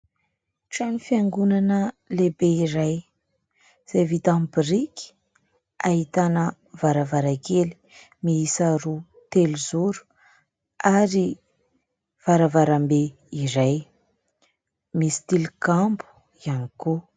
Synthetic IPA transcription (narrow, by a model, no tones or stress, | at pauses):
ʈ͡ʂanifiaŋɡunanəlebeiɾaj | z̥ejvit̪ambiɾiki̥ | aɦit̪anə | vaɾavaɾakeli̥ | miisaɾu | t̪elizuɾu̥ | aɾi | v̥aɾavaɾambe | iɾaj | misi̥t̪ilkambu̥ | ianiku